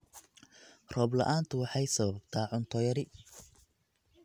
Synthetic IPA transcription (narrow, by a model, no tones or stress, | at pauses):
rɔːblɐ̰ʔaːnt̪ʰʊwɑħɑjsɐβɐbt̪ʰaːʕʊnt̪ʰɔjɐɾɪ